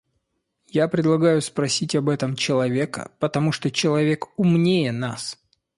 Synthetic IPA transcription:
japɾʲɪd̪lˠɐɡajʊspɾɐsʲitʲɐbɛt̪əmt͡ɕɪlˠɐvʲe̞kə̰pət̪ɐmuʂt̪ot͡ɕɪlˠɐvʲe̞kʊmnʲejənas

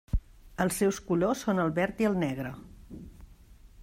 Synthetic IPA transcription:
əlˠsːɛwskulosːonəlˠβɛɾt̪iəlˠnɛɣɾə

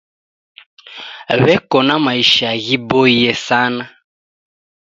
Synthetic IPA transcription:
βɛkɔnamaiʃaaɣiboijɛsana

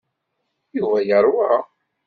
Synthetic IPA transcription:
juvæjəɾˤwa

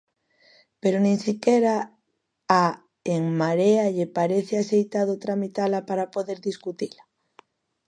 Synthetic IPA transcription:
peɾonĩŋsikeɾa | a | eŋmaɾeaʎepaɾeθeasejt̪aðot̪ɾamit̪alapaɾapoðeɾðiskut̪ila

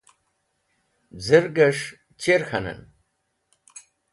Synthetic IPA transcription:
d͡zəɾɡɐʂ | t͡ɕeɾxʰɐnɐ̰n

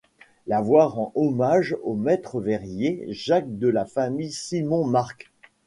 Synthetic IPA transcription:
lavwaʁɑ̃ʔɔmaʒomɛt̪χəvɛʁjeʒak̚d̪əlafamijsimɔ̃maʁk

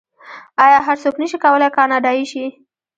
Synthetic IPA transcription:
ɑjɑɦaɾsoknəʃikawəlajkɑnɑɖɑiʃi

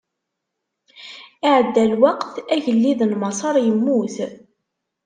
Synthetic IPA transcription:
ɪʕəd̪ːælwɑqθæʝəlːiðnmɑsˤɑɾˤjəmːuθ

